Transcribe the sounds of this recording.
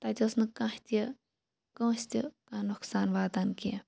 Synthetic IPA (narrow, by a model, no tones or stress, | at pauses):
t̪at̪ʲːsnɨkãht̪ʲe | kõːst̪ʲikãːnukʰsaːnʋaːd̪anki